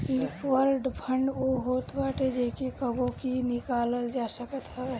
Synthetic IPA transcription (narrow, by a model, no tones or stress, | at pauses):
lɪkʰwəɾɖbʰʱə̃ɳɖoɦoːt̪baːʈed͡ʒeːkekəbõkinɪkaːləld͡ʒaːsəkət̪aɛ